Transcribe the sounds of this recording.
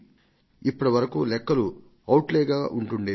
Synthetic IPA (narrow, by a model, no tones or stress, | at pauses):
ipːɐɽɐʋɐɾɐkuːlɛkːɐlu | ɐwʈleːɡaːʔuɳʈuɳɖi